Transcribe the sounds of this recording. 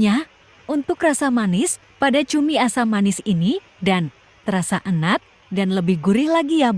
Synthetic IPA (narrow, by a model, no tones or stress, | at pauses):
ɲa | ʔunt̪ʊkrasamanɪs | padat͡ʃumiasamanɪsini | dan | t̪əɾasaʔənat̪̚ | danləbɪhɡuɾɪhlaɡija